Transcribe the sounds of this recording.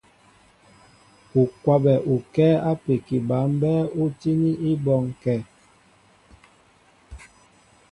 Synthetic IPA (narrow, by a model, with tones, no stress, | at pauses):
u˨kwa˨bɛ˨ʔu˨kɛː˦a˦pe˨ki˨ba˨˦m˦bɛː˦u˦ti˦ni˦ʔi˦bɔ˦˨ŋkɛ˦˨